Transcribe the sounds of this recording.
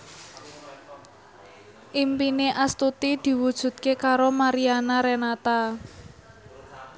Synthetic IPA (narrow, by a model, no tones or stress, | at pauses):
ʔimpineʔast̪ut̪id̪̥i̤wud̥ʒ̥ṳt̪̚kekaɾomaɾianaɾɛnat̪a